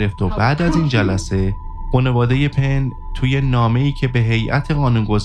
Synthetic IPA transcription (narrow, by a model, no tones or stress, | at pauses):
ɾeft̪obæd̪æziːnd͡ʒælæse̞ | xone̞vɒːd̪e̞je̞pʰe̞n | t̪ʰuːje̞nɒːme̞iːcʰe̞be̞ɦe̞jʔæ̰t̪ʰe̞ɣɒːnunɡo̞z